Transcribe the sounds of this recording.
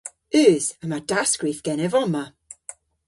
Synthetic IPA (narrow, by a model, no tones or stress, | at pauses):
ʉːz̥əmad̥asɡ̥ɹifɡ̥ɛnɛvɔma